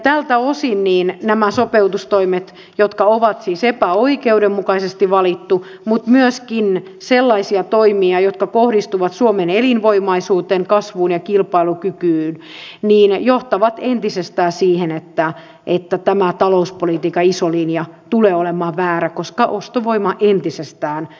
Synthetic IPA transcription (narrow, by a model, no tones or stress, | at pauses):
t̪ælt̪æosinniːnnæmæsopeut̪ust̪oimet̪ | jot̪kɑoʋɑt̪siːsepæoikeudemmukɑisest̪iʋɑlit̪ːu | mut̪myøskin | selːɑisiɑt̪oimiɑjot̪kɑkohdist̪uʋɑt̪suomenelinʋoimɑisuːt̪eːŋkɑsʋuːnjɑkilpɑilukykyːnniːnjoht̪ɑʋɑt̪ent̪isest̪æːsiːhenet̪ːæ | ʔet̪ːæt̪æmæt̪ɑlouspolit̪iːkɑisoliːnjɑt̪uleːolemɑːʋæːɾækoskɑʔost̪oʋoimɑʔent̪isest̪æːn